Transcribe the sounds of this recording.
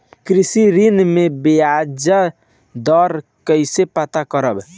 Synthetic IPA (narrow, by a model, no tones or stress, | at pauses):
kɾisiɾinmebiad͡ʒə | d̪ɔɾkəjsepat̪akəɾəb